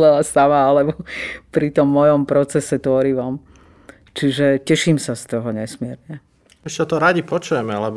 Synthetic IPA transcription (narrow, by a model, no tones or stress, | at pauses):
lɛlasamaalɛbɔpɾit̪ɔmːɔjɔmpɾɔt͡sɛsɛt̪ʊɔɾiʋɔm | t͡ʃiʒɛcɛʃimsast̪ɔɦɔɲɛsmɪɛɾɲɛ | ɛʃcɛt̪ɔɾaɟipɔt͡ʃujɛmɛlɛb